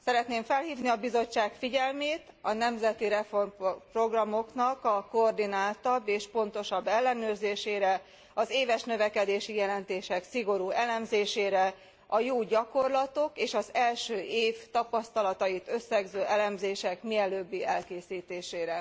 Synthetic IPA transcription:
sɛɾɛt̪neːɱfɛlhiːvniɒbizo̞t͡ʃːaːkfiɟɛlmeːt̪ɒnɛmzɛt̪iɾɛformpro̞ɡrɒmo̞knɒkɒkoord̪inaːlt̪ɒbːeːʃpo̞nt̪o̞ʃɒbːɛlːɛnøːrzeːʃeːɾɛ | ɒzeːvɛʃnøvɛkɛd̪eːʃijɛlɛnt̪eːʃɛksiɡo̞ɾuːɛlɛmzeːʃeːɾɛ | ɒjoːɟɒko̞rlɒt̪o̞keːʃɒzɛlʃøːʔeːvt̪ɒpɒst̪ɒlɒt̪ɒjit̪ø̞sːɛɡzøːʔɛlɛmzeːʃɛkmiɛløːbːiɛlkeːsiːt̪eːʃeːɾɛ

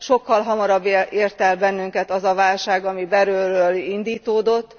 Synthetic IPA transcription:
ʃo̞kːɒlɦɒmɒɾɒbːeeːrt̪ɛlbɛnːyŋkɛt̪ɒzɒvaːlʃaːɡɒmibɛɾøːrøːlind̪iːt̪oːd̪o̞t̪ː

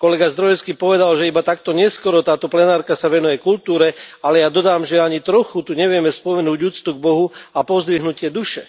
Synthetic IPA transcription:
kɔlɛɡazd̪ɾɔjɛskiːpɔʋɛd̪alʒɛibat̪ak̚t̪ɔɲɪɛskɔɾɔt̪aːt̪ɔplɛnaːɾkasaʋɛnujɛkult̪uːɾɛalɛjad̪ɔd̪aːmʒɛaɲit̪ɾɔxut̪uɲɛʋɪɛmɛspɔmɛnuːɟuːt͡st̪uɡ̚bɔɦuapɔzd̪ʋiɦnucɪɛd̪uʃɛ

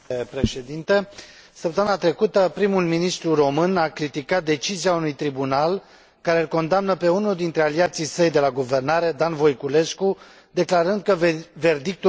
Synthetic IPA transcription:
pɾe̞ʃe̞d̪int̪e̞ | səp̚t̪əmɨnat̪ɾe̞kut̪əpɾimulminist̪ɾuro̞mɨnakɾit̪ikat̪̚d̪e̞t͡ʃiziaunujt̪ɾibunal | kaɾe̞ɨlko̞nd̪amnəpe̞unuld̪int̪ɾe̞aliat̪sijsəjd̪e̞laɡuve̞rnaɾe̞d̪anvo̞jkule̞sku | d̪e̞klaɾɨnd̪̚kəve̞rd̪ik̚t̪u

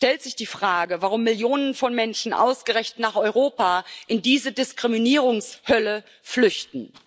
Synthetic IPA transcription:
ʃtɛltz̥ɪçd̥iːfʁ̥aːɡəvaʁ̞ʊmːɪljoːnənfɔnmɛnʃn̩ʔa̰ʊsɡ̥əʁɛçtnaːχɔʏʁoːpaʔɪndiːzədɪskʁ̥iminiːʁʊŋshœlə | flʏçtn̩

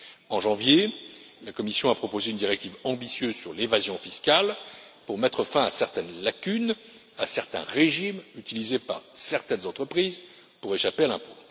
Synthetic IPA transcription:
ɑ̃ʒɑ̃vje | lakɔmisjɔ̃apχɔpozeynd̪iʁɛk̚t̪ivɑ̃bisjøzsyʁlevazjɔ̃fiskʲalpuʁmɛt̪χəfɛ̃asɛʁt̪ɛnlakʲyn | asɛʁt̪ɛ̰̃ʁeʒimyt̪ilizepa̰ʁsɛʁt̪ɛnzɑ̃t̪χəpχiz | puʁeʃapealɛ̃po

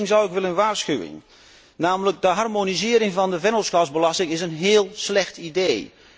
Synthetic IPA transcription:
ŋzawɪkʋɪlənʋaːrskyʋɪ̰ŋ | naːmlək̚dəɦarmonizɪəɾɪŋvɑndəvɛnəlˠskɔzbəlɑstɪŋɪsənɦɪəlˠslɛxtideː

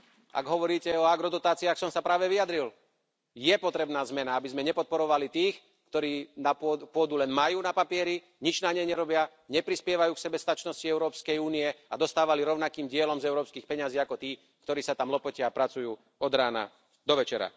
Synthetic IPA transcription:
a̰ɡɦɔʋɔɾiːcɛɔaɡɾɔd̪ɔt̪aːt͡siaxsɔmsapɾaːʋɛʋiad̪ɾil | jɛpɔt̪ɾɛbnaːzmɛnaabizmɛɲɛpɔt̪̚pɔɾɔʋalit̪iːx | kt̪ɔɾiːnappʊɔd̪ulɛnmajuːnapapɪɛɾi | ɲid͡ʒnaɲɛɲɛɾɔbɪa | ɲɛpɾispɪɛʋajuːksɛbɛst̪at͡ʃnɔsciɛʊɾɔːpskɛjuːniɛad̪ɔst̪aːʋaliɾɔʊnakiːmɟɪɛlɔmzɛʊɾɔːpskiːxpɛɲaziːakɔt̪iː | kt̪ɔɾiːsat̪amlɔpɔcaapɾat͡sujuː | ɔd̪ɾaːna̰ | d̪ɔʋɛt͡ʃɛɾa̰

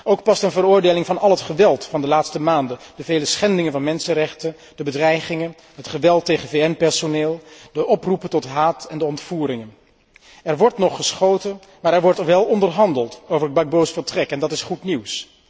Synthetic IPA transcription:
owk̚pɑstənvəɾʊːɹdejlɪŋvɑnɑlˠɦətχəʋɛlˠtfɑndəlaːtstəmaːndədəvejləsχɛndɪŋənvɑnmɛnsənrɛχtən | d̥əbədrɛjχɪŋən | ɦətχəʋɛlˠtːejχəvejɛnpɛɹsoneːlˠdəʔɔprupətɔtɦaːtɛndəɔntfuːɾɪŋən | ɛɹʋɔɹtnɔχːəsχowtən | maːɹɛɹʋɔɹtʋɛlˠɔndəɹɦɑndəlˠtowvəɹɦəd̚bɑɡ̚bowsfəɹtrɛkɛndɑtɪsχutniws

